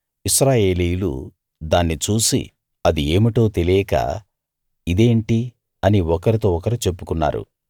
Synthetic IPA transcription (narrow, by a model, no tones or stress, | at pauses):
isɾaːje̞ːlijulṵ | d̪aːnːit͡ʃuːsḭ | ɐd̪ieːmiʈo̞ːt̪e̞lijka̰ː | id̪e̞ːɳʈi | ɐniɔkɐɾit̪o̞ːɔkɐɾit͡ʃe̞pːukunːa̰ːɾṵ